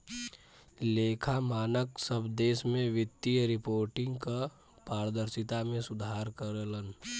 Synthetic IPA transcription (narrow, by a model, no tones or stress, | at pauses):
leːkʰamaːnəksəbd̪eːsmẽʋɪt̪ːijəɾɪpoːɾʈɪ̃ŋɡka | paːɾəd̪əɾsɪt̪amẽsʊd̪ʱaːɾkəɾələn